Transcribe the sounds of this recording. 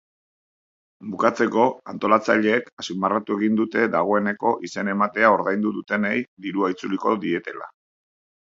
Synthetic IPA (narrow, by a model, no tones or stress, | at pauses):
bukat͡se̞ko̞ant̪o̞lat͡saʎe̞ːkasimmarat̪ue̞ɣind̪ut̪e̞ðaɣ̞o̞e̞ne̞ko̞ʔise̞ne̞mat̪e̞ao̞ɾðajnd̪uðut̪e̞nejd̪iɾuait͡suliko̞ðie̞t̪e̞la̰